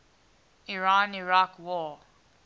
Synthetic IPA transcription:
iɹãniɹakwɔ

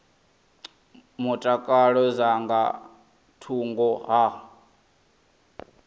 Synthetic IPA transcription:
mutʼakʼaɺɔzaŋɡa̰ | tʰuŋɡɔɦa

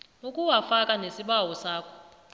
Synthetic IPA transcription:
ukʼuwafakʼanesiɓawɔsaːkʰɔ̥

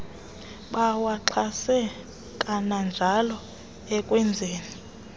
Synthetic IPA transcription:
ɓawaǁʰasɛ | kʼanand͡ʒʱalɔ | ɛkʼwɛnd͡zʱeːni

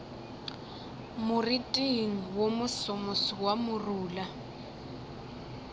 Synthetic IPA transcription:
mʊritʼiŋ̩womʊsɔmosiwamʊruːla

